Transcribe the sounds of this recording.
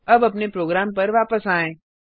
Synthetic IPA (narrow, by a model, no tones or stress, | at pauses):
ɐbɐpnepɾoːɡɾaːmpəɾʋaːpəsaːẽː